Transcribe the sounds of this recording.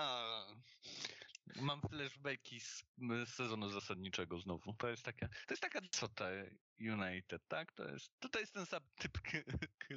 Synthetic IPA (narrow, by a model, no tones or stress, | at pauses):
a | mamft̪lɛʐbɛjkʲissɛzɔnuzasad̪ɲit͡ʂɛɡɔznɔvut̪ɔjɛst̪t̪akʲat̪ɔjɛst̪akad̪sɔt̪a | junajt̪ɛt̪t̪ːakt̪ɔ̰jɛ̰st̪ːɔt̪ɔjɛst̪ɛnsamt̪ɘpkkʰ